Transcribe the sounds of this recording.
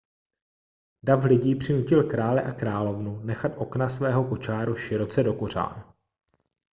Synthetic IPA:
daflɪɟiːpr̝̥ɪnucɪlkɾaːlɛʔakɾaːlo̞vnunɛxat̪ʔo̞knasvɛːɦo̞ko̞t͡ʃaːɾuʃɪɾo̞t͡sɛdo̞ko̞r̝a̰ːn

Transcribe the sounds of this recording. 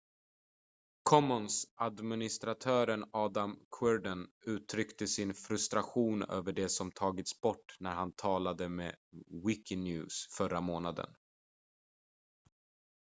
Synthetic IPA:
kʰɔmɔnsʔad̪mɪnɪst̪ɾat̪ʰœːɾənɑːd̪amkʰwɛɖənʉ̟ːt̪ʰɾʏkt̪əsɪnfɾɵst̪ɾaɧuːnø̰ːvəɖɛsɔmt̪ʰɑːɡɪt̪sbɔʈːnæɾhant̪ʰɑːlad̪əmḛːwɪkɪnjʉ̟̰ːsfœɾːamoːnad̪ə̰n

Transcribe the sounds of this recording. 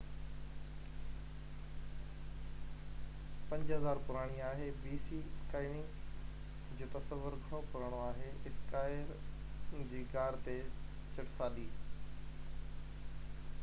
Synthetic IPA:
pɐ̃ɲd͡ʑɦɐzaːɾpʊɾaːɽ̃iaːɦebiːsiskaːɪnɪ̃ŋ | d͡ʑoːt̪ɐsəʋːəɾɡʱɐɽopʊɾaːɽ̃oaːɦeɪskaːɪɾ | d͡ʑiːkaːɾt̪et͡ɕɐʈsaːɗiː

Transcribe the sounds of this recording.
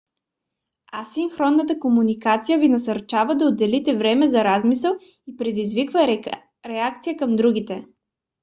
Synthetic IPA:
asiŋxɾɔnːət̪̬əkomunikat̪sijəvinɐsɐɾt͡ʃavəd̪ɐod̪ːɛlit̪ɛvɾɛmɛzɐɾazmisəlˠ | ipɾɛd̪izvikvə | ɾɛak̚t̪sijəkɐmd̪ɾuɡ̟it̪ɛ

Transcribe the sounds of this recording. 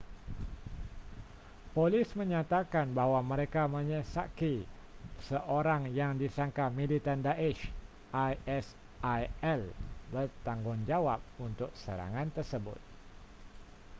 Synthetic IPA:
polɪsməɲat̪akanbahwaməɾekaməɲəsa̰ki | səʔoɾaŋjaŋdisaŋkamilit̪andaʔɛʃ | ajɛs | ʔajɛlbərt̪aŋɡʊŋd͡ʒawap̚unt̪ʊk̚səɾa̰ŋant̪ərsəbʊ̰t̪̚

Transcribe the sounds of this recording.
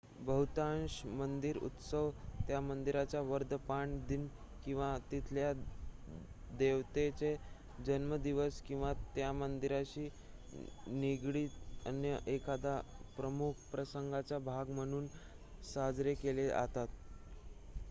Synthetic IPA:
bəɦut̪anɕmənd̪iɾṵt̪səʋt̪jamənd̪iɾat͡ɕjaʋəɾd̪ʱpaɳd̪in | kĩw̃ʋat̪it̪ʰlja | d̪eʋt̪et͡se | d͡ʑənməd̪iʋəskĩw̃ʋat̪jamənd̪iɾaɕiː | niɡɽiːt̪ə̰njəʔekʰad̪apɾəmukʰpɾəsəŋɡat͡ɕabʱaɡm̤əɽ̃uːn | sad͡zɾekelea̰t̪at̪

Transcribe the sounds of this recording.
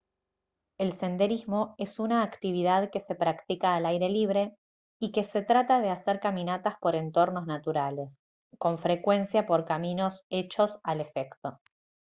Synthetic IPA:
e̞lse̞nd̪e̞ɾizmo̞e̞sunaːkt̪iβ̞iðaðke̞se̞pɾakt̪ikaːlajɾe̞liβ̞ɾe̞ | ike̞se̞t̪ɾat̪aðe̞aseɾkamĩnat̪aspo̞ɾe̞nt̪o̞ɾno̞znat̪uɾale̞s | ko̞ɱfɾe̞kwe̞nsjapo̞ɾkamino̞se̞t͡ʃo̞sale̞fekt̪o̞

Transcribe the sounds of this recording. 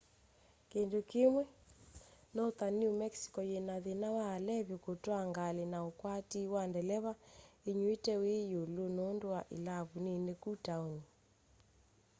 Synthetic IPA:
kendokemwɛ | nɔot̪aniomɛksi̥kɔjenaðenawaːlɛβjokotwaŋɡalenaokwatiwandɛlɛβaeɲuetɛwejolonondowaʔḛlaβunenekutaoɲe

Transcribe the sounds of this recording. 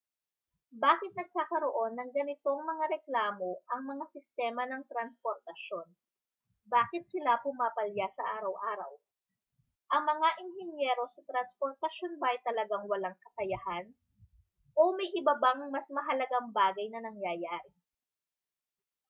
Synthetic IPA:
baːkɪt̪̚nɐɡ̚kaːkɐɾo̞ʔo̞nːɐŋɡɐnɪt̪o̞ŋmɐŋaɾɛklaːmo̞ʔɐŋmɐŋasɪst̪ɛːmɐnɐŋt̪ɾɐnspoɾt̪ɐʃo̞n | baːkɪt̪̚sɪlapʊmaːpɐljasɐʔaːɾɐwʔaːɾɐ̰w | ʔɐŋmɐŋaʔɪnɦɛnjɛːɾo̞sɐt̪ɾɐnspoɾt̪ɐʃonbɐjt̪ɐlɐɡaŋwɐlaŋkɐkɐjɐhan | ʔo̞mɐjʔɪbɐbaŋmɐsmɐɦɐlɐɡaŋbaːɡɐjnɐnɐŋjaːjaːɾɪ

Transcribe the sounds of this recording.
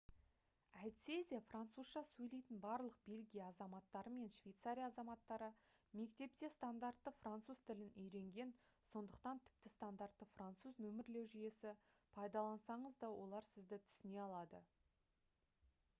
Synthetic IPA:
æjt̪sezʲijafrant̪suzʃɑsɵjle̞jt̪ɪnbɑɾlˠəq̚be̞lɡʲijaːzɑmɑt̪ːɑɾəme̞nʃvʲejt̪saɾʲijaːzɑmɑt̪ːɑɾəme̞kt̪e̞p̚t̪e̞st̪and̪art̪ːəfrant̪suz̥t̪ʰɪlɪnʔʏjɾe̞ŋɡʲe̞nso̞nd̪əq̚t̪ɑnt̪ʰɪ̥p̚t̪ɪst̪and̪art̪ːəfrant̪suznɵmɪɾle̞wʒʏje̞sɪ | pʰɑjd̪ɑlˠɑnsɑɴəzd̪ɑwʔo̞lˠɑɾsɪzd̪ɪt̪ʰʏ̥sɪne̞ɑlˠɑd̪ə

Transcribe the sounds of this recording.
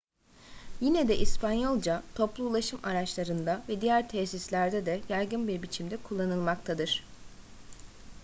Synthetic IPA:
jinɛd̪ɛʔispanjo̞lˠd͡ʒat̪ʰo̞plˠuːlˠaʃɯmaɾat͡ʃlˠaɾɯnd̪avɛd̪ijæɾt̪ʰɛsislʲæɾd̪ɛd̪ɛjaɾɡɯnbiɾbit͡ʃʰimd̪ɛkʰulˠːanɯlˠmakt̪ʰad̪ɯɾ̥

